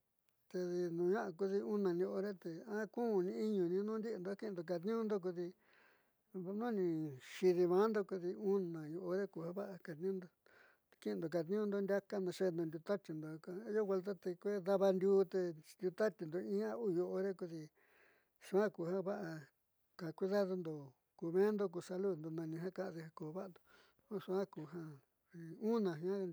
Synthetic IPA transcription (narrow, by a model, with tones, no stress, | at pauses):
t̪e˧ði˧nũ˨˧ɲã˦ʔa˧ku˧ði˧u˦nã˨nĩ˧o˧o˧ɾe˦t̪e˧ã˦kũ˦˨nĩ˧˦i˦ɲũ˨nĩ˧nũ˦nd̪i˦ʔnd̪o˧a˦ki˦˧nd̪o˨k̬a˨t̪̬nĩ˦ũ˦nd̪o˦k̬u˧ði˧ | βnũ˦nĩ˧˨ʃi˧ði˧βã˨˦nd̪o˦ku˧ði˧u˦nã˨jo˧ʔo˧ɾe˦ku˧ha˦βa˦ʔa˧ka˨t̪nĩ˦ũ˦nd̪o˧ | t̪kĩ˦˧nd̪o˨k̬a˧t̪̬nĩ˦ũ˦nd̪o˧nd̪ʲa˦ka˦nã˧ʂe˧nd̪õ˧nd̪ʲu˧t̪a˦t̪i˧nd̪o˨˧ka˧˦jo˦we˧lt̪̬a˦t̪e˧kʷe˦ða˦βa˧nd̪ʲuː˧˦t̪e˧nd̪ʲu˧t̪a˦t̪ʲi˧nd̪o˨ĩ˦ã˧u˦˨jo˧˨ʔo˧ɾe˦ku˧ði˧ | ʂu˧˦ã˦ku˧˨hã˦βa˦ʔa˧ | ka˨kʷi˦ða˦ðo˧nd̪o˨ | ku˧mẽː˦nd̪o˧k̬u˧sa˧lu˦nd̪o˧nã˧nĩ˧ɦã˦kã˧ʔði˧ha˧ko˧˨˧βa˦˧nd̪o̥˨˧ | ã˦ʂu˧ã˦ku˨˧ɦã˧ | i˧ũ˦nã˨ɦĩ˧ã˦˧